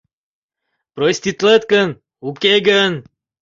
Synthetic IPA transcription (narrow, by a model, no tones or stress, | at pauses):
pɾosʲt̪ʲit̪lˠət̪kən | ukʲeɡən